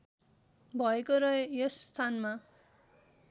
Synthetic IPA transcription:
bʱʌekoɾʌjost̪ʰanma

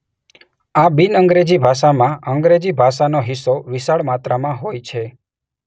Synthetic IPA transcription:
abinəŋɡɾed͡ʒibʱaʃamãəŋɡɾed͡ʒibʱaʃanoɦɪsoʋɪsaɭmat̪ɾamãɦojt͡ʃʰe

